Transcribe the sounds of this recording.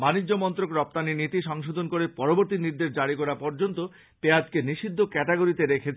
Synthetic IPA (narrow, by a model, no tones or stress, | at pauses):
manid͡ʑːomɔnt̪ɾokɾɔp̚t̪aninit̪iʃɔŋʃod̪ʱonkoɾepɔɾoboɾt̪iniɾd̪eʃd͡ʑaɽikɔɾapɔɾd͡ʑont̪o | pead͡ʑkeniʃid̪ʱːokɛʈeɡoɾit̪eɾekʰet͡ɕʰ